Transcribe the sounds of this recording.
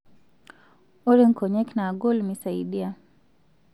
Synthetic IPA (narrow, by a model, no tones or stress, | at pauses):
ɔɾɛŋ̩kʰɔɲɛknaːɡɔlmisaiɗia